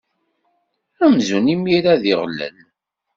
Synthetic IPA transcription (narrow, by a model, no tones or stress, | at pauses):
æmzunimiɾaðiʁlːə̰l